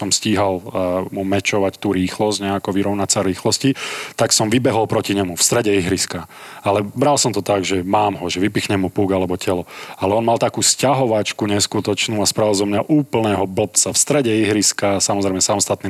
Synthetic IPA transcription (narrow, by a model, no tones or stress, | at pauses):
ɔmsciːɦalmumɛt͡ʃɔʋact̪uːɾiːxlɔzɟɲɛakɔʋiɾɔʊnasaɾiːxlɔscit̪aksɔmʋibɛɦɔlpɾɔciɲɛmufst̪ɾɛɟɛiɦɾiska | alɛbɾalsɔmt̪ɔt̪aɡʒɛmaːmɦɔʒɛʋipixɲɛmupuːɡalɛbɔcɛlɔalɛɔnmalˠt̪akuːscaɦɔʋat͡ʃkuɲɛskut̪ɔt͡ʃnuːaspɾaʋilzɔmɲaʔuːpl̩nɛːɦɔbl̩p̚t͡safst̪ɾɛɟɛiɦɾiskasamɔzɾɛɪmɛsamɔst̪at̪ni